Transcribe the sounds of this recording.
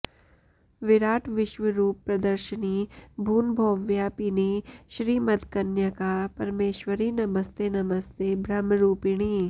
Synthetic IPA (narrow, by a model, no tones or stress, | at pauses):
ʋɪɾaːʈʰʋɪʃʋəɾuːpːɾɐd̪əɾʃəniːbʱuːnbʱoːʋjapiniʃɾiːmɐt̪kɐnjəkapɐɾmeːʃwəɾiːnɐməst̪ʰenɐməst̪ʰeːbʱɾɐmɾuːpiɽ̃iː